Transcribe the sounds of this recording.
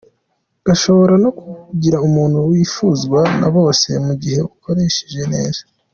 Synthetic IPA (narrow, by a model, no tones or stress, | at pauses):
ɡ̥aʃo̞βo̞ɾano̞kuɟiɾaumuːn̥huwiːfuːzɡwana̰βo̞ːse̞muɟihe̞βuko̞ɾe̞ʃe̥ʒe̞ne̞ːz̥a